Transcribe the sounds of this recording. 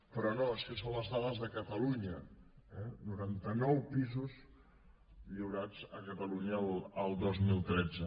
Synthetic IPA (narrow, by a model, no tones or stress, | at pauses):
pɾɔnoəʃisõnləzðaðəzðəkət̪əluɲəɛnuɾant̪ənɔwpizuz | ʎiwɾad͡zəkət̪əluɲəlːlˠd̪ozmilˠt̪ɾɛd͡zə